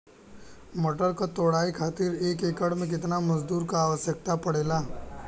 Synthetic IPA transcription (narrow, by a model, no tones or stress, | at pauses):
moʈəɾkat̪oːɽaːikʰaːt̪iɾeːkeːkəɽmẽk̬ɪt̪namɐzd̪uːɾkaːʋəsjək̚t̪apəɽeːlaː